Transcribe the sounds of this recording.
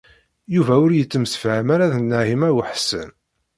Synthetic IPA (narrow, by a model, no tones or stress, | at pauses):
juvæʊɾjət͡sːəmsfʕəmaɾaðənːəɦimæwəħsə̰n